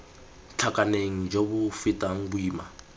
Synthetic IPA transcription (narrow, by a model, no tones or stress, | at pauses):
t͡ɬʰakʼaneŋ̩d͡ʒobʊfitʼaŋ̩buiːma